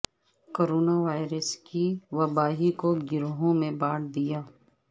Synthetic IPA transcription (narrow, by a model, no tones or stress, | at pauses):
koːɾoːnaʋaːɪɾəskiʋɐbaːɦikoɡɪɾɦõmẽbaːɽd̪ijaː